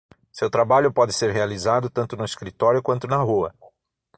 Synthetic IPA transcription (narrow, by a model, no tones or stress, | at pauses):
sewt̪ɾabaʎʊpɔd̪ɪseɾɦealizad̪ʊt̪ɐ̃nt̪ʊnʊiskɾit̪ɔɾjʊkwɐ̃nt̪ʊnɐɦuɐ